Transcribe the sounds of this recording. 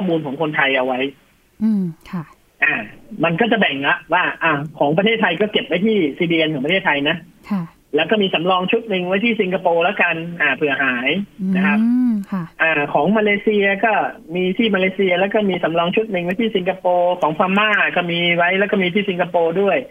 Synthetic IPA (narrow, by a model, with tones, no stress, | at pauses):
kʰɔː˥˩muː˧nkʰɔː˩˦ŋkʰo˧nt̪ʰa˧jʔa˧wa˦˥j | ʔaː˨˩ma˧nkɔː˥˩t͡ɕa˨˩bɛ˨˩ŋla˦˥ʔwaː˥˩ʔaː˨˧˩kʰɔː˩˦ŋpɾt̪ʰeː˥˩t̪ʰa˧jkɔː˥˩ke˨˩p̚wa˦˥jt̪ʰiː˥˩siː˧diː˧ʔe˧nkɔː˨˩˦pa˧eː˥˩t̪ʰa˧jna˦˥ʔʰ | lɛː˦˥wkɔː˥˩miː˧sa˩˦mlɔː˧ŋt͡ɕʰu˦˥t̪̚nɯ˧ŋwa˦˥jt̪ʰiː˥˩si˧ŋkʰa˧poː˧lɛ˦˥wka˧nʔaː˨˩pʰɯ˨˩˦ɐɦaː˩˦jna˦kʰa˦˥p̚ʔaː˨˩kʰɔː˩˦ŋmaː˧leː˧si˧ɐ˧kɔː˥˩miː˧t̪ʰiː˥˩maː˧leː˧si˧ɐ˧lɛː˦˥wkɔː˥˩miː˧sa˩˦mlɔː˧ŋt͡ɕʰu˦˥t̪̚nɯ˧ŋwa˦˥jt̪ʰiː˥˩si˧ŋkʰa˧poː˧kʰɔː˨˩˦ŋkʰaː˧mːaː˥˩kɔː˥˩miː˧wa˦˥jlɛː˦˥wkɔː˥˩miː˧t̪ʰiː˥˩si˧ŋkʰa˧poː˧du˥˩əj